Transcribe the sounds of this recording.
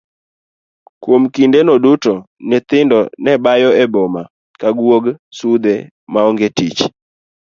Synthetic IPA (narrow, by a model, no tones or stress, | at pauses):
kwomkindenɔdutɔ | nɛt̪ɪndɔnɛbajɔɛbɔma | kaɡwoɡsud̪e | maɔŋɡetit͡ʃ